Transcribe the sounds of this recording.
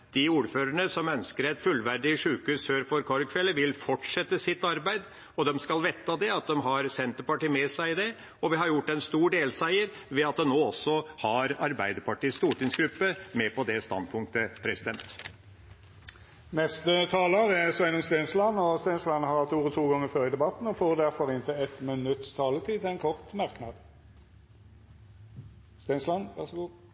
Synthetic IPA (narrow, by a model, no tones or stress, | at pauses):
d̪̥ɪuːɾføːɾəɳəsɔmœnskəɾɛt̪fʉlːʋæɾɖɪʂʉːkʉːsføːɾfɔɾkʰɔɾkʰʋɛlːəʋɪlfɔʈʂɛt̪ːəsɪt̪ːɑɾbæɪd̪ | ɔd̪ɛmskɑlʋɛt̪ːɑd̪ɛɑt̪̚d̪ɛmɦɑɾsɛnt̪əpɑʈiːmɛsæɪd̪ɛ | ɔʋɪɦɑɾjʊʈːɛnst̪uːɖeːlsæɪəɾ | ʋɛɑt̪̚d̪ɛnoːɔsːɔhɑɾɑɾbæɪd̪əpɑʈiːst̪uːʈɪŋsɡɾʉpːəmɛpʰɔd̪ɛst̪ɑ̰nd̪̚pʰʊŋk̚t̪əpʰɾɛsɪd̪ɛnt̪ | nɛst̪ət̪ʰɑːləʁɛsɛnʊmst̪eːnslɑnːɔst̪eːnslɑnhɑɾɑt̪uːʁɔt̪ʰuːɡɔŋːəføːɾəɪd̪ɛbɑt̪n̩ɔfoːʁd̪æʁfɔɾɪnt̪ʰəɛt̪mənʉt̪ːt̪ʰɑːlət̪ʰiːt̪ʰɪɛnkʰɔʁt̪mɑʁknɑd̪ | st̪enslɑnʋæʁsɡuː